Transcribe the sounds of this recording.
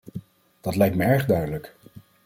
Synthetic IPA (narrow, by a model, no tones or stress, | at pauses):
d̥ɑtlɛjk̚tməɛɹχdœɥdələk